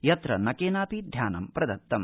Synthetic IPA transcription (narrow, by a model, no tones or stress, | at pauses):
jɐt̪ɾɐnɐkeːnaːpid̪ʱjaːnɐmpɾɐd̪ɐt̪ːɐm